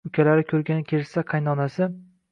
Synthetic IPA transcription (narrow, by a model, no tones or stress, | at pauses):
ʊkʲʰalaɾɪkʲʰɵɾɡʲanɪkʲʰeɾɪsaqʰɑjnɒnasɪ